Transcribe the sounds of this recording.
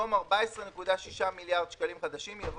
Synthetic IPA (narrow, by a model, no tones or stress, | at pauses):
omaʁbaesʁene̞kudaʃiʃamiljaʁd̪ʃkalimχad̪aʃimjav